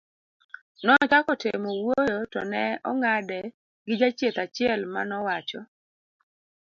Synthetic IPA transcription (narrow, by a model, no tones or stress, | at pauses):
nɔt͡ʃakɔtemɔwojotɔ̰nɛɔŋadɛ | ɡɪd͡ʒat͡ʃjet̪at͡ʃɪɛlma̰nɔwat͡ʃɔ